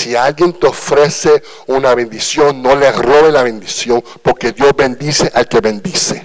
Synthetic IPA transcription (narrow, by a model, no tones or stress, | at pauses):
sialɡjent̪eofɾese | unaβend̪isjoŋːoleroβelaβẽ̞nd̪isjo̞ŋ | poɾkeðjozbẽ̞nd̪iseʔalkeβẽnd̪ise